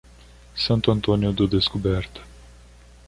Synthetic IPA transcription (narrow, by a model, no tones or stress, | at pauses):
sɐ̃nt̪ʊɐ̃nt̪õniʊd̪ʊd̪eskobɛɾt̪ɐ̥